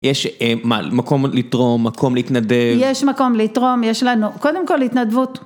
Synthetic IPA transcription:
jeʃema̰mako̞mlit̪ʁo̞mːakʰo̞mleit̪nad̪evjeʃmako̞mlitʁo̞mjeʃlanuko̞d̪e̞mkolhit̪nad̪vut

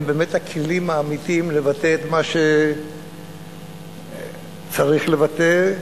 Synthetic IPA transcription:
beme̞thakʰelimaːmit̪imlevat̪eːt̪maʃe | t͡saʁiχlevat̪e

